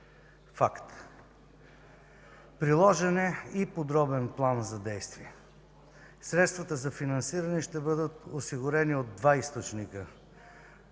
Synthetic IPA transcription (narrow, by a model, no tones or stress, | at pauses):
fakt̪ | pɾilˠɔʒɛnɛipod̪ɾɔbɛnplˠanzɐd̪ɛjst̪viɛ | sɾɛt̪st̪vɐt̪əzɐfinɐnsiɾɐnɛʃt̪ɛbɤd̪ət̪osiɡʊɾɛniod̪ːvaist̪ot͡ʃnikə